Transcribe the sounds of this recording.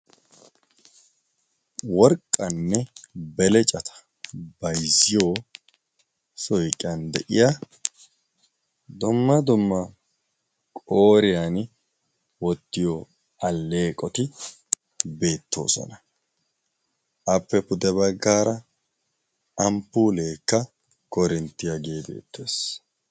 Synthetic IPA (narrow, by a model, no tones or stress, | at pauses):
wɔɾkʼːɐnːɛbɛlɛt͡ʃʼɐt̪ʰɐ̥ | bɐjzɪjo̞ː | sɔjkʼɪɐnd̪ɛ̰ʔɪja | d̪ʊmːɐd̪ʊmːɐ | kʼo̞ːɾɪjan | wɔt̪ːɪjɔ | ɐlːe̞ːkʼːɔt̪ɪ | be̞ːt̪ːo̞̰ːsɔ̰nɐ | ʔɐpːɛpʊd̪ɛbɐɡːaːɾɐ | ɐmpːuːleːkːɐ | kɔɾɪnt̪ːɪjɐɡe̞ːbe̞̰ːt̪ʰːeːs